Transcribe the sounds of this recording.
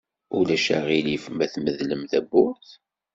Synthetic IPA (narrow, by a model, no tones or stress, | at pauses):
ulæʃæ̰ʁilifmæθməðləmθæbʊɾθ